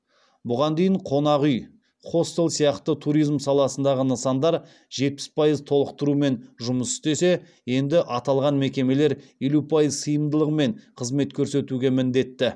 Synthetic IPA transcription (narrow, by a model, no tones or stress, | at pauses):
bʊʁɑnd̪ejɪɴqʰo̞nɑʁʏj | χo̞st̪e̞lˠsijɑqt̪ət̪ʰuɾijzmsɑlˠɑsənd̪ɑʁənəsɑnd̪ɑɾ | ʒe̞t̪̚pɪ̥spʰɑjəzt̪ʰo̞lˠəqt̪əɾume̞nʒʊməsʏ̥st̪e̞se̞ | je̞nd̪ɪʔɑt̪ɑlˠʁɑnme̞kʲe̞me̞le̞ɾje̞lupʰɑjəzsəjəmd̪əlˠəqme̞ɴqʰəzme̞t̪kʲʰɵɾse̞t̪uɡʲe̞mɪnd̪e̞t̪ːɪ